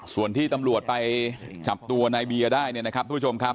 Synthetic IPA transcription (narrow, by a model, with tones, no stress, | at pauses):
su˨˩ənt̪ʰiː˥˩t̪a˧mɾu˨˩ət̪̚pa˧jt͡ɕa˨˩p̚t̪u˧ɐna˧jbi˧ɐdaː˥˩jni˥˩ɐna˦˥kʰa˦˥p̪̚ːʰo˧mkʰa˦˥p̚